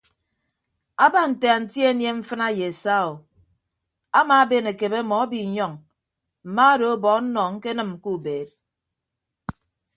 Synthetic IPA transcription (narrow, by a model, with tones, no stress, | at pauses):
a˦ba˦˨n̩˨te˨a˨n̩˨tje˦nje˦ɱ̩˦fɨ˦na˦je˨e˨sa˦o˨ | a˦ma˨˦be˦˨ne˨ke˨be˦mɔ˨a˦bi˨ɲɔ˦˨ŋ | m̩˨ma˦a˦ɾo˨o˦bɔ˨˦n̩˦nɔ˨ŋ̩˦ke˦nɨ˨m̩˨ku˦˨beː˨t̚